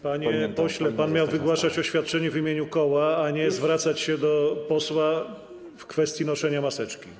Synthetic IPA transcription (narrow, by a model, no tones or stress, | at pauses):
paɲɛɛpɔɕlɛpanmʲjawvɨɡwaʂat͡ɕɔɕfʲjat̪̚t͡ʂɛɲɛvimʲjeɲukɔwaːɲɛzvɾat̪sat͡ɕɕɛd̪ɔpɔswa | fkfɛst̪ʲjinɔʂɛɲamasɛt͡ʂkʲi